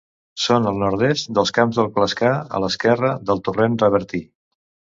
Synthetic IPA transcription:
sonəlˠnɔɾðɛst̪d̪əlˠskamzðəlˠkləskaə̰ləskɛrəðəlˠt̪urenrəβəɾt̪i

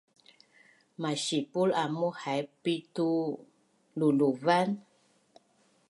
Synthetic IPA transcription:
maʃipulamuhajpit̪u | luluvan

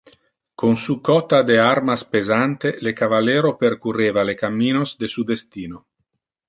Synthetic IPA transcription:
konsukɔt̪ad̪eaɾmaspezant̪elekavaleːɾoperkureːvalekamːiːnozd̪esud̪est̪iːno

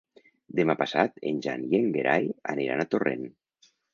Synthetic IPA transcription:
d̪emapasat̪enʲʒanjeŋɡeɾʔaja̰neɾa̰nat̪orḛn

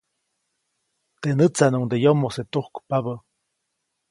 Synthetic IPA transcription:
t̪enət͡sanuŋd̪ejomoset̪uhkpaβə

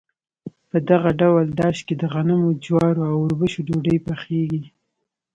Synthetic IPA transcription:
pəd̪aɣaɖawəld̪aʃked̪əɣanəmod͡ʒwɑɾoawʊɾbəʃoɖoɖəjpaxeɡi

